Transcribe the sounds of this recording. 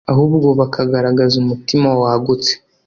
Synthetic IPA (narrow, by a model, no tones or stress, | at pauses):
aɦuːbɡo̞βakʰaɡaɾaɡazumutimawaɡut͡se̥